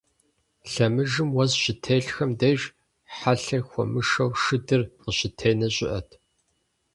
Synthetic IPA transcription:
ɬɐmɨʒɨmwɐzɕɪtʰeːɬxɐmdejʒ | ħaɬɐxʷɔ̰mɨʃɐwʂɨdɨrqəɕɪtʰeːnɐɕʼɪ̰ʔɐ̰tʰ

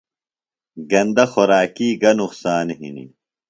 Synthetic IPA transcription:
ɡɐnd̪ɐxoɾaːkiːɡɐnuqsaːnɦḭnḭ

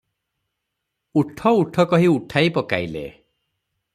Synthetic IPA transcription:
uʈʰɔuʈʰɔkɔɦiuʈʰaipɔka̰jlḛ

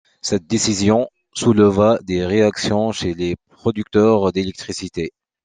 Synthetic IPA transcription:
sɛt̪̚d̪esizjɔ̃ | sulvad̪eʁeaksjɔ̃ʃelepχɔd̪yk̚t̪œʁd̪elɛk̚t̪χisit̪e

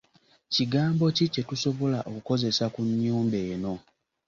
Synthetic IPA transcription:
ciɡaːmbo̞cice̞tuso̞βolaʔokuko̞ze̞sakuɲːuːmbe̞ːno̞

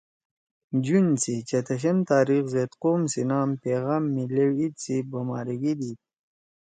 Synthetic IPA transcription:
d͡ʑunt͡sʰit͡ɕɐt̪ʰɐɕemt̪aːɾixzeːt̪qoːmsinaːmpeːɣaːmːilewit̪t͡sibomaːɾiɡid̪i

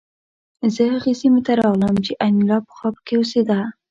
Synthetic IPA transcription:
zəhəɣesimet̪aɾɑɣləmt͡ʃeʔanilɑpə̥xɑpə̥kewosed̪a

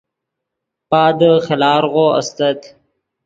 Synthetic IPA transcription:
paːd̪əxelaːɾʁoːɐ̰st̪ɐt̪

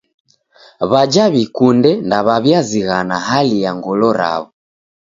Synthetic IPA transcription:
βad͡ʒaβikundɛndaβaβjaziɣanaɦalijaŋɡɔlɔɾa̰βɔ

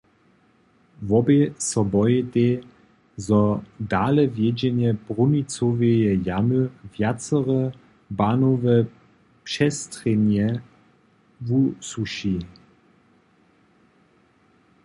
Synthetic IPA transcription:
vɔbesɔbɔjɛt̪e | zɔdaːlɛvjɛd͡ʑɛnjɛb̥ʁunit͡sovejɛjamøvjat͡səʁə | baːnovə | pʃɛstʁɛnjɛ | vusuʃi

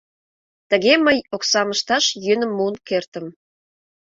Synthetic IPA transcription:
t̪əɣeməjoksɑməʃt̪ɑʃjynə̆mːunkert̪ə̆m

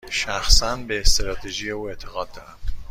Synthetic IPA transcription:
ʃæxsænbeːst̪eɾɒːt̪ʰeʒiːjeuːe̞t̪ʰeɣɒːd̪ːɒːɾæm

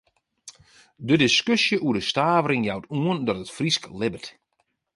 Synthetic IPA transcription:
dədɪskøsjəʔuədəstaːvəɾɪŋjawtuəndɔtətfrisklɪbət

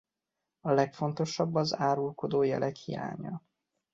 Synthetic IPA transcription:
ɒlɛkfo̞nt̪o̞ʃɒbːɒzaːɾulko̞d̪oːjɛ̰lʔɛkhḭja̰ːɲɒ̰

